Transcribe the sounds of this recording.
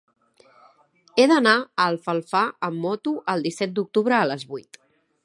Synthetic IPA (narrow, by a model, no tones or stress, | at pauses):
eðənaəlˠfəlˠfaəmːɔt̪uʔəlˠd̪isɛt̪̚d̪uk̚t̪uβ̞ɾəːləzβujt̪